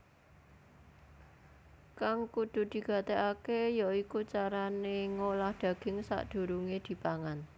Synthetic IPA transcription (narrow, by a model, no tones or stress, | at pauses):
kaŋkud̪̥ṳd̪̥i̤ɡ̥a̤t̪eʔakejaikut͡ʃaɾaneŋolahd̪̥ä̤ɡ̥ɪŋsa̰ʔd̪̥ṳɾuŋed̪̥i̤paŋan